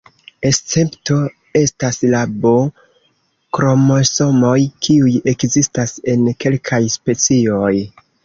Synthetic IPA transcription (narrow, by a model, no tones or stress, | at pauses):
e̞st͡se̞pto̞ | e̞staslabo | kɾo̞mo̞so̞mo̞jkʰiuje̞kzistase̞nke̞lkʰajspe̞t͡sio̞j